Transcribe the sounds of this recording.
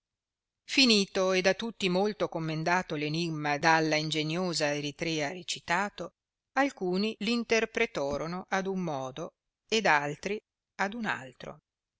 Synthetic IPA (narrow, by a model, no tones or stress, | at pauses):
finiːt̪oed̪at̪ːut̪ːimolt̪okomːend̪aːt̪olenimːad̪alːaind͡ʒenjoːzaeɾit̪ɾɛːaɾet͡ʃit̪aːt̪o | alkuːniliːnt̪erpɾet̪ɔːɾonoʔad̪umːɔːd̪o | ed̪alt̪ɾi | ad̪una̰lt̪ɾo̰